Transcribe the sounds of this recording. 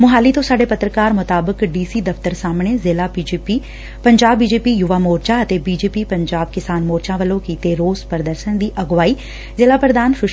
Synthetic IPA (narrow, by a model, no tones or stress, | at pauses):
mʊɦaːliːt̪õːsaːɖeːpət̪ɾəkaːɾmʊt̪aːbəkɖiːsiːd̪əft̪əɾsaːmɳ̃eːzɪlaːpid͡ʒːpi | pəɲd͡ʒaːbːiːd͡ʒeːpiːjʊʋaːmoːɾt͡ʃaːət̪eːbiːd͡ʒeːpiːpəɲd͡ʒaːbkɪsaːnmoːɾt͡ʃãːʋəlõːkiːt̪eːɾoːzpəɾd̪əɾʃənd̪iːʔɐɡʋaːiː | zɪːlaːpɾəd̪ʱaːnʃʊʃ